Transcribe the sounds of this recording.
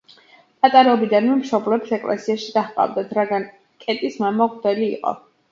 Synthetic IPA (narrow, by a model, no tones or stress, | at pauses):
pʼat̪ʼaɾɛɔbid̪anmɛmʃɔblɛpsɛkʼlɛ̰siaʃid̪aχpʼa̰vd̪at̪ʰɾaɡan | kʼɛt̪ʼismamaʁd̪ɛlḭːqʼɔ̰